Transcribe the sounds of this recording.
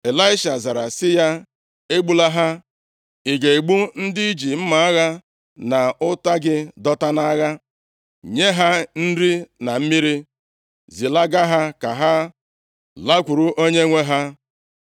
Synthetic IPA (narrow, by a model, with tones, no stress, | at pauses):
e˨la˦ɪ˦ʃa˨za˨ɾa˨sɪ˦ja˦ | e˦ɡ͡bu˦la˦ɦa˦ | i˨ɡe˨i˨ɡ͡bu˦n̩˦dɪ˦i˦d͡ʒi˨m̩˦ma˨a˦ɣa˦ | na˨ʊ˦ta˦ɡɪ˦dɔ˦ta˦na˦ɣa˦ | ɲe˦ɦa˦n̩˦ɾi˦na˨m̩˦mi˦ɾi˦ | zi˨la˦ɡa˦ɦa˦ka˨ɦa˦ | la˦kʷu˨ɾu˦ʔo˦ɲe˦ŋʷe˦ɦa˦